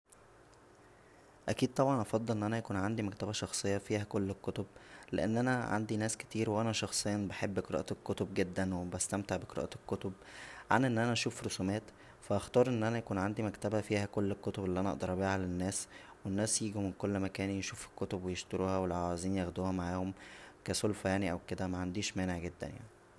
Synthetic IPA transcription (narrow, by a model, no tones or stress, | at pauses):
ʔækiːd̪̚t̪ˤɑbʕɑnʔɑfɑd̪ˤːelʔenːʔænæjækuːnʕand̪imæk̚t̪æbæʃɑxsˤejːɑfiːhækolːekːot̪ob̚leʔenːʔænæʕa̰nd̪inæːske̥t̪iːɾweʔænæʃɑxsˤejːɑnbeħebːʔqeɾɑ̰ːʔekːot̪ob̚ɡed̪ːænwebæst̪æmt̪eʕbeqeɾɑ̰ːʔæekːot̪ob̚ | ʕa̰nʔenːʔænæʔæʃuːfɾosuːmæːt̪ | fæʔɑxt̪ˤɑːɾˤʔenːʔænæjækuːnʕand̪imækt̪æbæfiːhækolːekːot̪obelːiʔænæʔɑʔd̪ɑɾˤʔɑbiːhælenːæːswenːæːsjiːɡimenkolːmækæːnjeʃuːfe̥kːot̪obwejeʃt̪oɾuːhæwelʕoziːnjæxd̪uːhæmaʕaːhomkæsolfæjaʕniʔæwked̪æmæʕand̪iːʃmæːneʕɡed̪ːæ̰nja̰ʕni